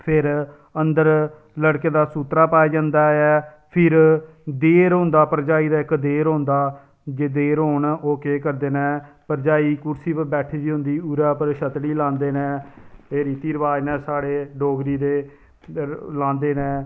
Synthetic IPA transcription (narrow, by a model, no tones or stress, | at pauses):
pʰɪɾ | ənd̪əɾ | ləɽkeːd̪aːsuːt̪ɾaːpaːiːd͡ʒãːnd̪aːɛː | pʰɪɾ | d̪eːɾɦõːnd̪aːpəɾd͡ʒaːiːd̪aːɪkd̪eːɾɦõːnd̪aː | d͡ʒeːd̪eːɾɦoːɳoːkeːkəɾd̪eːnɛ̃ːpəɾd͡ʒaːiːkʊɾsiːpəbɛːʈʰeːd͡ʒ̪iːɦʊ̃nd̪iːuːɾaːpəɾʃət̪ɽiːlãːnd̪eːnɛ̃ːeːɾiːt̪iːɾəʋaːenɛːsaːɽeːɖoːɡɾiːd̪eː | lãːnd̪eːnɛ̃ː